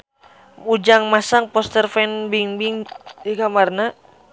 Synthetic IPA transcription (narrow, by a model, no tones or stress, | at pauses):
ud͡ʒaŋmasaŋpɔst̪ərfɛnbiŋbiŋikamarna